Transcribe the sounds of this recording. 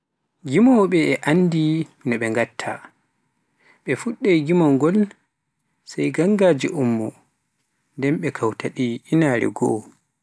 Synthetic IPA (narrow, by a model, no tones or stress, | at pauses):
ɡimɔɓɛːʔanːdiminɔɓɛŋɡatʰːa̰ | ɓɛfuɗːajɡimɔŋɡɔl | sajɡaŋɡaːd͡ʒḭʔumːɔ | ndɛnɓɛkʰawtʰaɗiinaːɾɛ̰ɡɔ̰